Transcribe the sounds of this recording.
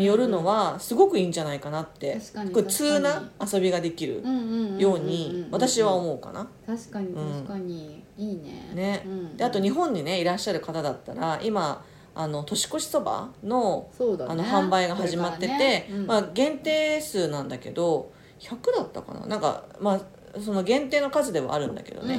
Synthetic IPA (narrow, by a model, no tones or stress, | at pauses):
ɲijo̞ɾɯ̟no̞βasɨɡo̞kɯ̟ĩːɲ̟d͡ʑanaikanat̪ːe̞kot͡sɨːnaːso̞bʲiɡad̪e̞kʲiɾɯ̟̰jo̞ːɲ̟iβat̪aɕiβao̞mo̞ɯka̰nḁɯ̟̃ɴː | nne̞d̪̥e̞at̪o̞ɲ̟iɦõ̞ɲ̟ːine̞iɾaɕːaɾɯ̟kat̪ad̪at̪ːaɾaʔima | ano̞t̪o̞ɕi̥ko̞ɕi̥so̞ba̰no̞oano̞ɦãmbaiɡaɦaʑimat̪ːe̞t̪e̞maɡẽ̞nt̪e̞ːsɨːnãnd̪ake̞̰d̪o̞ | çakɯ̟d̪at̪ːa̰ka̰na̰nãŋka̰ma | so̞no̞ɡẽ̞nt̪e̞ːno̞kazɨd̪e̞β̞a̰aɾɯ̟̃nd̪a̰ke̞̰d̪o̞̰ne